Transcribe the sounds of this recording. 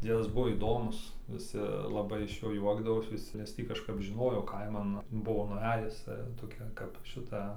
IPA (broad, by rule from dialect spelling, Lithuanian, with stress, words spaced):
ˈd͡zʲiɛdɐs ˈbʊʋoː iːˈdoːmʊs ʋʲɪˈsʲɪ lˠɐˈbɐɪ ɪʃ ˈjoː ˈjuɔɡdɐʋoːs ʋʲɪˈsʲɪ nʲɛs ˈtʲiː kɐʃˈkɐp ʒʲɪˈnoːjoː ˈkɐɪmɐn ˈbʊʋoː nʊˈæːjʊs toːˈkʲɛ kɐp ˈʃʲɪtɐ